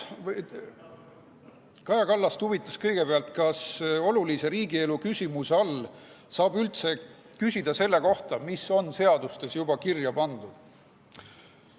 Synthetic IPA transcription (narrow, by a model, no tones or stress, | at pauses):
v | kɑjɑkɑlːɑst̪uvit̪ːˑɑskɤjɡ̥e̞peɑlt̪kɑso̞lulise̞ɾiːɡie̞lukysʲimuseɑl | sɑːbylt̪se̞ | kysʲid̪̥ɑse̞lːeko̞ht̪ɑmiso̞nse̞ɑd̪̥ust̪e̞sjubɑkirjɑpɑnd̪ud̪̥